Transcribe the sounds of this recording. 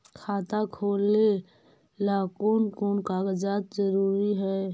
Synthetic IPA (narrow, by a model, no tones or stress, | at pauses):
kʰaːt̪akʰoːle | laːkoːnkoːnkaːɡəd͡ʒaːt̪̚zəɾuːɾiɦɛ